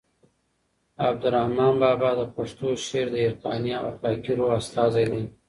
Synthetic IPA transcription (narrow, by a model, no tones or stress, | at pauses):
ab̚d̪ʊɾahmɑnbɑːbɑd̪əpaʂt̪oʃeːɾd̪əɪɾq̪ɑniawa̰qɑkiɾoast̪ɑːzajd̪aj